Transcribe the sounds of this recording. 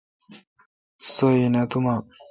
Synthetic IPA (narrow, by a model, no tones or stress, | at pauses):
sojinat̪uma